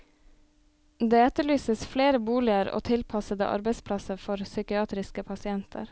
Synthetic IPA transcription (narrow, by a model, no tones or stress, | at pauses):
d̪eːɛt̪əɭyːsəsfleːɾəbuːlɪəɾo̰ːt̪ʰɪlpʰɑsəd̪ə̰ʔɑ̰ɾbəɪspʰlɑsəɾfɔɾsʏkɪɑːt̪ɾɪskəpʰɑsɪɛnt̪ʰə̰ɾ